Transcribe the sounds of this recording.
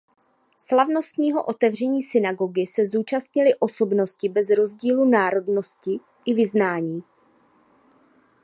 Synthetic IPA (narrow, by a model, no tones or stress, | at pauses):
slavno̞st̪ɲiːɦo̞̰ʔot̪ɛvr̝ɛɲiːsɪnaɡo̞ɡɪsɛzuːt͡ʃast̪ɲɪlɪʔo̞so̞bno̞scɪbɛzɾo̞zɟiːlunaːɾo̞dno̞scɪ | ʔɪvɪznaːɲiː